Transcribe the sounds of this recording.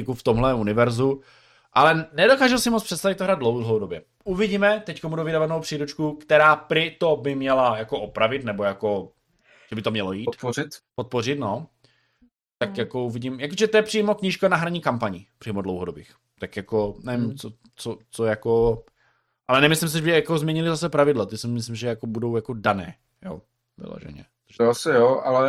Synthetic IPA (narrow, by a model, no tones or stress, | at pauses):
ɪkuft̪omɦlɛunɪvɛɾzu | ʔalɛnɛdokaːʒuwsɪmot͡spr̥ɛt̪st̪avɪt̪t̪ːoɦɾaːd̪̚dlowɦowdobjɛ | ʔuvɪɟiːmɛt̪ɛckomudovɪdavanowpr̥iːɾut͡ʃkukt̪ɛɾaːpɾɪt̪obɪmɲɛlajakoʔopɾavɪt̪nɛbojako | ʒɛbɪt̪omɲɛlo̞jiːt̪poɪt̪pot̪̚por̝ɪt̪no̞ | t̪akjakouvɪɟɪmjakoʒɛt̪ojɛpr̥iːmokɲiːʃkonaɦɾaɲiːkampaɲɪpr̥iːmodlowɦodobiːx | t̪akjakonɛvimt͡so | t͡sot͡sojako | ʔalɛnɛmɪslɪms̬ɪʒɛʒɛjakozmɲɛɲɪlɪzasɛpɾavɪdlat̪ɪsɪmɪs̬lɪmʒɛjakobudo̞wjakodanɛ̰ː | jo̰ː | vɪ̰lo̰ʒɛ̰ɲɛ̰ | t̪oasɪjoalɛ